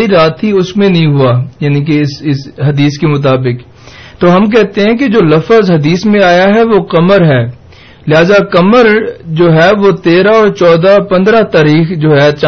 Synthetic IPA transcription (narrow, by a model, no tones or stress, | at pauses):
iɾaːt̪ɦiʊsmẽnɐɦĩɦʊajaːnĩk̬eɪsɪsɦɐd̪iːskemʊt̪aːbɪk | t̪oːɦɐmk̬ɛɦt̪eɦɛ̃k̬ed͡ʒoːlɐfəzɦɐd̪iːsmẽaːjaɦɛʋokɐməɾɦɛː | lɪɦaːzakɐməɾd͡ʒoːɦɛʋot̪eːɾaɔːɾt͡ʃɔːd̪apɐ̃nd̪ɾat̪aːɾiːxd͡ʒoːɦɛt͡ʃa